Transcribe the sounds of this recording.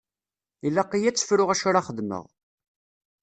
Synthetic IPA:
ilːæqːijæt͡sːə̥fɾʊʁæʃʊɾaχəðmə̰ʁ

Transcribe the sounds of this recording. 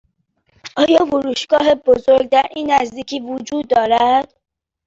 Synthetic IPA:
ʔɒːjɒːfoɾuːʃɡɒːɦe̞bozoɾɡ̚d̪æɾʔiːnːæzd̪iːcʰiːvod͡ʒuːd̪ːɒːɾæd̪̥̚

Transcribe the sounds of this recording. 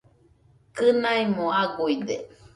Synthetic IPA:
kɨnaimõaɡuid̪e

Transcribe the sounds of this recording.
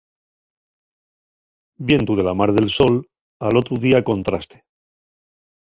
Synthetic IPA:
bje̞nt̪uðe̞lamaɾðe̞lso̞l | alo̞t̪ɾuðiako̞nt̪ɾast̪e̥

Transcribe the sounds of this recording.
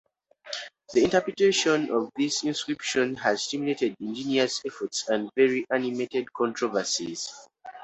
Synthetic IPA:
ðiĩntəpɹitʰeʃɔ̃nɔvðisĩnskɹipʃɔ̃naz̥stimjuletɛdĩnd͡ʒiniəsɛfɔtsãndvɛɹiʔanimetɛdkʰɔ̃ntʰɹɔvəsḭz̥

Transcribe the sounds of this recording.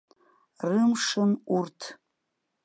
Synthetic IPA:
rɨmʂɨnurtʰ

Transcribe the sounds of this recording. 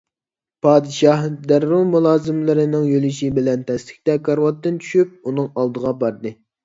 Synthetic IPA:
pʰɑːd̪ɨʃɑhd̪æɾːulmulˠɑːzɨmlɨɾɨnɨŋjølyʃibɪlɛnt̪ʰɛst̪ɪ̥kʲt̪ɛkʰɑɾwɑt̪ːɨnt͡ʃʰy̥ʃyp̚unɨŋɑlˠd̪əʁɑbɑɾd̪ɨ

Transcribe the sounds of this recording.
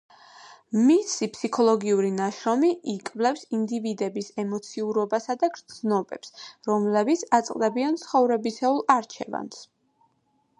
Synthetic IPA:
misipʰsikʰɔlˠɔɡiuɾinaʃɾɔmiʔikʼvlɛfsind̪ivid̪ɛbisɛmɔt̪sʰiuɾɔbasad̪aɡɾd̪znɔbɛpsɾɔmlɛbit̪sʰat̪sʼqʼd̪ɛbiant̪sʰχɔvɾɛbisɛulˠaɾt͡ʃʰɛva̰ns

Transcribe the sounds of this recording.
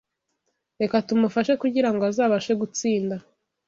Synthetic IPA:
ɾe̞katumufaʃe̞kuɟiɾaŋɡoazaːβaʃe̞ɡut͡siːnda

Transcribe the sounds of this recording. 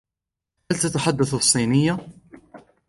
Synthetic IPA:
halt̪at̪aħad̪ːaθɨsˤːiːnɪjːa

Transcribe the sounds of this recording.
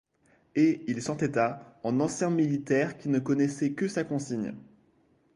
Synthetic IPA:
eilsɑ̃t̪ɛt̪aɑ̃nɑ̃sjɛ̃milit̪ɛʁkʲinəkɔnɛsɛkəsakɔ̃siɲ

